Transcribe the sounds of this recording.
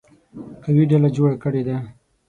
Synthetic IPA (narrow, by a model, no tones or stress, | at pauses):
kawiɖalad͡ʒoɽakəɽed̪a